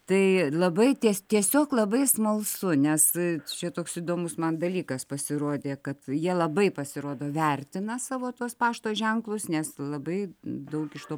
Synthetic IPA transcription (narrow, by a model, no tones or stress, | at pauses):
t̪ɐɪlˠɐbɐɪt̪ʲiɛst̪ʲiɛsʲoːklˠɐbɐɪsmɐlˠsʊnʲɛst͡ʃʲɛt̪oːksiːd̪oːmʊsmɐnd̪ɐlʲiːkɐspɐsʲɪɾoːd̪ʲeːkɐt̪jiɛlˠɐbɐɪpɐsʲɪɾoːd̪oːʋʲɛrʲt̪ʲɪnɐsɑːʋoːt̪uɔspɑːʃt̪oːʒʲɛŋklˠʊsnʲɛslˠɐbɐɪd̪ɐʊkɪʃt̪oː